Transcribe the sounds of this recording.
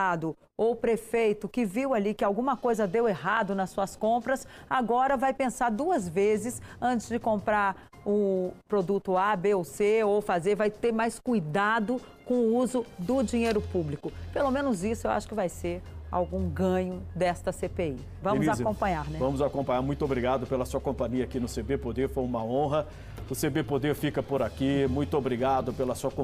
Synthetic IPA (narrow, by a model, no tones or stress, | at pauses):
ad̪ʊ | owpɾefejt̪ʊkɪviwalikɪawɡũmɐkojzɐd̪eweɦad̪ʊnɐsːuɐskõmpɾɐsaɡɔɾɐvajpẽsaɾd̪uɐzvezɪsɐ̃nt͡ʃɪzd͡ʒɪkõmpɾaɾ | ʊpɾod̪ut̪ʊabeoseowfazeɾvajt̪eɾmajskujd̪ad̪ʊ | kõʊuzʊd̪ʊd͡ʒĩɲejɾʊpublikʊpelomẽnʊzisʊewʔa̰ʃʊ̥kɪvajseɾa̰wɡũɡɐ̃ɲʊd̪ɛst̪ɐsepei | vɐ̃mʊzazkõmpɐ̃ɲaɾnɛvɐ̃mʊzakõpɐ̃ɲaɾmũj̃t̪ʊobɾiɡad̪ʊpelɐsuɐkõmpɐ̃ɲiɐakinʊsebepod̪efojũmɐõɦɐ | ʊsebepod̪efikɐpoɾakimũj̃t̪ʊobɾiɡad̪ʊpelɐsuɐkõ